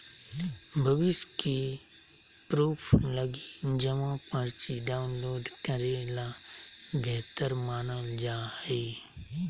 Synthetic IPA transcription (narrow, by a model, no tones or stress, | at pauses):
bʱəʋɪʃki | pɾuːpʰləɡid͡ʒəmãpəɾt͡ʃiɖaːʊnloːɖkəɾela | bʱeːɦt̪əɾmaːnəld͡ʒaːeː